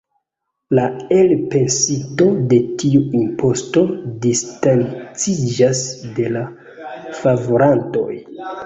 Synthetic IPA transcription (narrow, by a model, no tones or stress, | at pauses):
lae̞lpe̞nsito̞de̞tiuimpo̞sto̞distant͡sid͡ʒasde̞la | favoɾanto̞̰j